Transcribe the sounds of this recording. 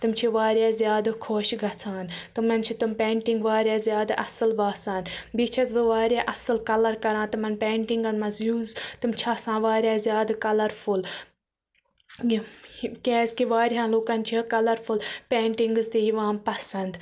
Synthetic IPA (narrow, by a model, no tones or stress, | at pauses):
t̪ɨmt͡ʃʰiʋaːɾʲjaːzʲjaːd̪kʰoːʃɡɐt͡sʰaːnt̪ɨmɐnt͡ʃʰit̪umpeːɳʈĩŋɡʋaːɾjaːzjaːd̪ʔɐsɨlbaːsaːnbit͡ʃʰɐzbɨʋaːɾʲjaːʔɐsɨlkɐlɐɾkɐɾãːt̪ɨmɐnpeːɳʈiŋɡɐnmɐzjuːzt̪ɨmt͡ʃʰaːsãːʋaːɾʲjaːzjaːd̪kɐlɐɾpʰul | kʲeːzkiʋaːɾɦãːloːkɐnt͡ʃʰikɐlɐɾpʰulpeːɳʈiŋɡɨzt̪ijiʋãːmpɐsɐnd̪